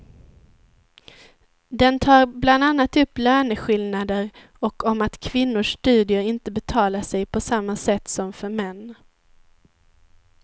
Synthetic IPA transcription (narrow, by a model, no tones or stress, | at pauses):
d̪ɛnt̪ʰɑːɾbland̪anːat̪ɵpːlœːnəɧɪlnad̪əɾ | ɔkɔmat̪kʰvɪnːʊʂt̪ʉ̟ːd̪ɪʊɪnt̪əbɛt̪ʰɑːlaʂɛjpʰɔsamːasɛt̪ːsɔmfœɾmɛnː